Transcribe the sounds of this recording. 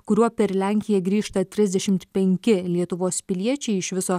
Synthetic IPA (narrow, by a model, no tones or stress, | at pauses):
kʊɾʲuɔpʲɛɾlʲæˑŋʲkʲɪjɛɡɾʲiːʃt̪ɐt̪ʲɾʲɪzʲd̪ʲɛʃʲɪmt̪pʲɛŋʲkʲɪlʲiɛt̪ʊʋoːspʲɪlʲiɛt͡ʃʲɛɪɪʃʋʲɪsoː